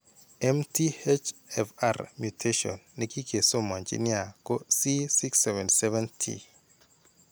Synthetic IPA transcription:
ɛ˦mti˦e˦t͡ʃɛfa̰rmju˨tʰe˦ʃɔ̰˨nːi˦ki˦kʰe˨so˦mɔ˨ɲd͡ʒḭ˦nɪa˨kɔ˦si˦si˦ksɛvɛ˨nsɛ˦vɛ˦ntʰḭ˨

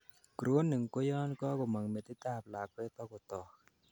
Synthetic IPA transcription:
kɾo˦nːɨ˨ŋko˦jɔ˦nkɔ˦ko˨ma˨ŋme˨t̪i˦ta˦˨p̚la˨kwɛ˦t̪ɔ˦ko˨t̪ɔː˨k

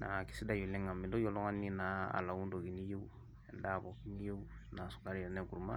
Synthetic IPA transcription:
na˨ki̥˦si˦da˨je˨lẽ˦ŋkã˨mĩ˨ndo˦jɔ˦lɔ̃˦ŋã˦ni˦na˨a̰˨la˨ũ˦do˨ki˦ni˦je˦u˦ | ɛ˨da˦˨bɔ˨ki˦ni˦je˦u˦na˨su̥˨ka˦ɾi˦ɛ˨nɛ̃˦ku˨ɾu˦ma̰˦

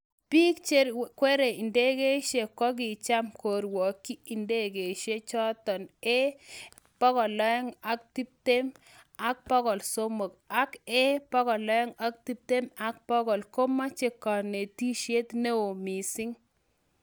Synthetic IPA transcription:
pi˦kt͡ʃe˦ɾkwe˦ɾe˨i˨nde˦ɡe˦ʃe˨kɔ˦ɡɪ˨t͡ʃa˦mko˨ɾwɔ˨kːi˦i˨nde˦ɡe˨ʃe˦t͡ʃɔ˦t̪ɔ˨ne˦ | pɔ˦ɡɔ˨lɔ˦ɔ˦ŋa˨˦k̚t̪i˦p̚t̪e˦m | a˦k̚pɔ˦ɡɔ˨lso˦mo˨ka˦kɛ˦pɔ˦ɡɔ˨lɔ˦ɔ˦ŋa˦k̚t̪i˦p̚t̪e˦ma˦k̚pɔ˦ɡɔ˨lko˦ma˦t͡ʃe˦kɔ˨ne˨t̪i˦ʃe˦t̪ne˦o˨mi˨sɪ˦ŋ

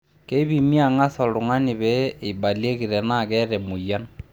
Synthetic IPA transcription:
ke˦i˦βi˨mi˦a˨ŋa˦sɔ˨lu˨ŋa˦ni˨βɛ˦˨i˨ba˨lje˦ɣi˨ɾɛ˨na˦˨kɛ˦ɾɛ˨mu˨ja˦n

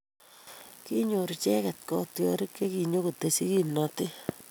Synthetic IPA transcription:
ki˦ɲoɾt͡ʃɛ˦kɛt̚kɔtjɔ̰ɾi˦kːe˦ki˨ɲo˦ku˨tesi˦ki˦nɔtɪ˦

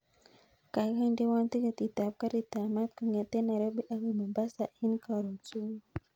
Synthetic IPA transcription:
ka˨ɣa˦nde˦wa˦nt̪i˦ɣat̪i˨t̪a˨p̚ka˦ɾit̪a˨ma˦t̪ka˨ŋa˨t̪e˦na˨ɾo˦be˦ʔa˦ɣi˨ma˨mba˦sa˨ʔi˦nka˨ɾo˨t͡su˦

